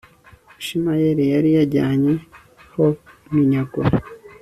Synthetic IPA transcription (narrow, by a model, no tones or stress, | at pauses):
iʃimajeɾijaɾijaɾɟaːɲe | homiɲaɡo